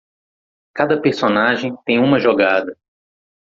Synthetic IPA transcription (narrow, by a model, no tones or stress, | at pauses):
kad̪ɐpeɾsonaʒẽj̃t̪ẽj̃ũmɐʒoɡad̪ɐ